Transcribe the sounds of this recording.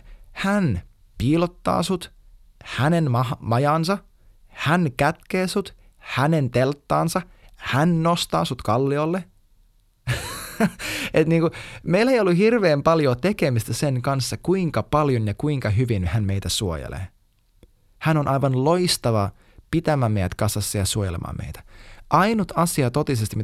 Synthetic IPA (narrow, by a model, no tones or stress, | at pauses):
hæn | piːlot̪ːɑ̰ːsut̪ | hænenmɑmɑjɑːnsɑ | hænkæt̪keːsut̪ | hæne̞nt̪elt̪ːɑːnsɑhænnost̪ɑ̰ːsut̪kɑlːiolːe | ʔet̪niːŋkumeilːeijolːuhirʋeːmpɑljoːt̪ekemist̪æseŋkɑnsːɑkuiŋkɑpɑljonjɑkuiŋkɑɦyʋinhænmeit̪æsuo̰jḛlḛː | hænonʔɑiʋɑnlo̞ist̪ɑʋɑ | pit̪æmæːmejæ̰t̪kɑsɑsːɑjɑsuojḛlḛmʔɑ̰ːmḛjt̪æ̥ʔɑinut̪ɑsiɑt̪ːot̪isest̪imi